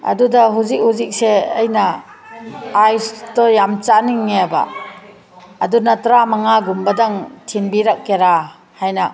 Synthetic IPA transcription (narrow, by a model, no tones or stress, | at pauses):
a̰dudaɦuzik̚huzik̚seːjna | ajstɔjamt͡ʃaniŋːeaba̰ | dunatɾamaŋaɡumbadaŋtʰinbiɾak̚keɾa | hajna